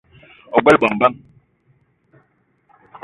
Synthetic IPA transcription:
ɔ˨ɡɛ˦lɓɔ˨ŋ˨ba˦˨ŋ

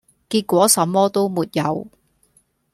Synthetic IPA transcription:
kiː˧t̚kʷɔː˨˥sɐ˨˥mːɔː˥t̪o˥wmuː˨t̚jɐ̰˨˧w

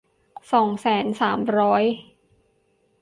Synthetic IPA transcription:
sɔː˨˩˦ŋsɛː˩˦nsaː˩˦mɾɔː˦˥j

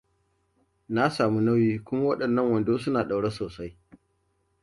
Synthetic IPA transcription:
na˦saː˨mu˦na˦wjiː˦kʷʊ˦ma˦wɐ˦ɗɐ˨nːɐ˦˨ŋwɐ˨ndoː˦s̬ʊ˦naː˨ɗa˨wɽe˦soː˨sa˦j

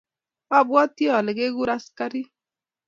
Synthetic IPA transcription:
a˦˨bwɔ˦t̪i˦ɔ˨lɪ˨ɡe˦ɡu˦ɾa˦ska˦ɾi˦

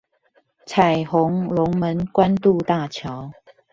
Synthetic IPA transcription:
t͡sʰa˨˩ɪxo˨˦ŋlʊ˨˦ŋmə˨˦nkwa˦nt̪u˥˧t̪a˥˧˨t͡ɕʰjɑ˨˦ʊ

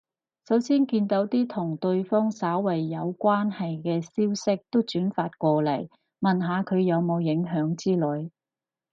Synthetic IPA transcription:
sɐ˨˥wsiː˥nkiː˧nt̪o˨˥wt̪iː˥t̪ʰʊ˨˩ŋt̪ɵ˧ɥfɔː˥ŋsaː˨˥wwɐ˨˩jːɐ˨˧wkʷaː˥nhɐ˨jkɛː˧siː˥wsɪ˥k̚t̪o˥wt͡ʃyː˨˥nfaː˧t̚kʷɔː˧lɐ˨˩j | mɐ˨nɦaː˨˧kʰɵ˨˧ɥjɐ˨˧wmo˨˧wjɪ˨˥ŋɦœː˨˥ŋt͡siː˥lɵ˨˧˥ɥ

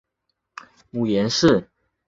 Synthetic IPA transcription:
mu˨˩jɛ˨˧˥nʂɻ̩˥˨

